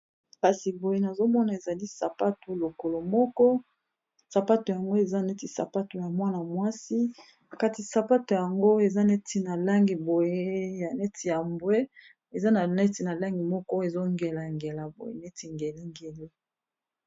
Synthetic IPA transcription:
ka˨si˨bo˨je˦na˨zo˦mɔ˦na˨e˨za˨li˦sa˨pa˦to˨lo˨ko˨lo˨mɔ˦kɔ˦ | sa˨pa˦to˨ja˨ŋɡo˦e˨za˦ne˦ti˨sa̰˨pa˦to˨ja˨mwa˦na˨mwa˦si˦ | a˨ka˨ti˨sa˨pa˦to˨ja˨ŋɡo˦e˨za˦ne˦ti˨na˨la˦ŋɡi˨bo˨je˦ja˨nɛ˦tʰi˨ja˨mbwe˦ | e˨za˦na˨nɛ˦ti˨na˨la˦ŋɡi˨mɔ˦kɔ˦e˨zo˦ŋɡe˨la˨ŋɡe˨la˨bo̰˨jḛ˨ne˦ti˨ŋɡe˨li˦ŋɡe˨li˦

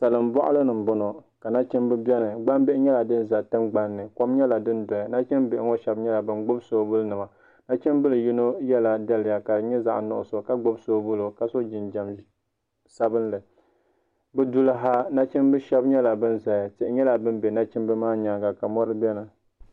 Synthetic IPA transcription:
sa˨lɨ˨m˦bɔ˦ʔʊ˦lɨ˦nɨ˨m̩˨bʊ˦no˨ka˨na˦t͡ʃi˦mbɨ˦bɛ˦nɨ˨ɡ͡ba˦mbe˦ʔɲɛ˦la˨dɨ˦n˦za˨tɨ˦mɡ͡ba˦nːɨ˨kɔ˦mɲɛ˦la˨dɨ˦ndɔ˨ja˨na˦t͡ʃi˦mbɪ˨ʔɪ˦ŋɔ˦ʃɛ˦bɲɛ˦la˨bɨ˦nɡ͡bʊ˦bsoː˦bʊ˦lnɨ˨ma˨ | na˦t͡ʃi˦mbɨ˦lɨ˨ji˦no˦jɛ˦la˨da˦lɪ˨ja˨ka˨ɲɛ˦za˨ʔnʊ˨ʔʊ̰˨so˨ka˨ɡ͡bʊ˦bsoː˦bʊ˦lo˨ka˨so˦d͡ʒɪ˨nd͡ʒa˨m | sa˦bɨ˦nlɨ˨ | bɨ˦du˦lɦa˦na˦t͡ʃɪ˦nbɨ˦ʃɛ˦bɲɛ˦la˨bɨ˦nza˨ja˨tɪ˨ʔɪ˨˦ɲɛ˦la˨bɨ˦mbɛ˨na˦t͡ʃɪ˦mbɨ˦maː˦ɲa˨ɡa˨ka˨mɔ˦ɾɨ˦bʲɛ˦nɨ˨

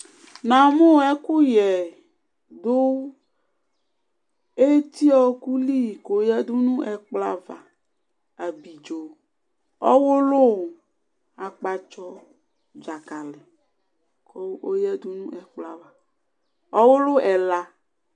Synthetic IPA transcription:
nã˨mo˦˨ɛ˦ku˦jɛ˨ | d̪o˦ | e˦t̪i˦ɔ˦ku˦li˦˨ko˨˦jɛ˦d̪u˦nũ˦ʔɛ˨k͡pla̰˦va˨ | a˨bi˨d͡ʒo˨ | ɔ̰˦wo˦lo˦˨ | a˨k͡pa˨t͡ʃɔ˦ | d͡ʒa˨ka˨le˨ | ko˦o˦jɛ˦d̪u˦nũ˦ɛ˨k͡pla˦va˨ | ɔ˦wo˦lo˦ʔɛ˨la˦

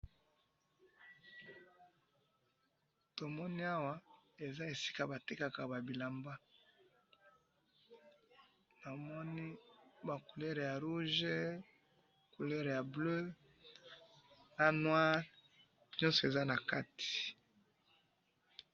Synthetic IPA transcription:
to˨mɔ˦ni˦a˦wa˦e˨za˦e˨si̥˦ka˨ba˨te˦ka˨ka˨ba˨bi˨la˨mba˦ | na˨mɔ˦ni˦ba˨ku˨le˦ʁja˨ʁu˦ʒe˦˨ | ku˨le˦ʁja˨blø˦ | na˦nwa˦ʁ | ɲɔ̃˦nsɔ˨e˨za˦na˨ka˦ti̥˨

